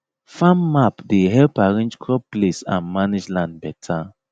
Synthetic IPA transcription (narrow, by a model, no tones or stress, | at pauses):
fãmːapdeɦɛlpaɹĩnd͡ʒkʰɹɔpplesã̰nmaned͡ʒlãndbɛtʰa